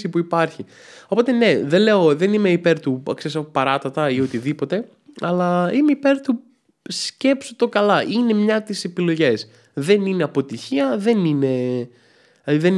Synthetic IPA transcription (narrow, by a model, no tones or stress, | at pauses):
sipuipɐɾçi | o̞po̞t̪e̞ne̞ðe̞nle̞o̞ðe̞nimeipe̞ɾt̪uɐ̰kseesɐpopɐɾɐt̪ɐt̪ɐiot̪iðipo̞t̪e̞ | ɐlɐimeipe̞ɾt̪u | sce̞psot̪o̞kɐlɐʔine̞mɲɐt̪ise̞pilo̞ʝe̞s | ðe̞nine̞ɐpo̞t̪içiɐðe̞nine̞ | ðen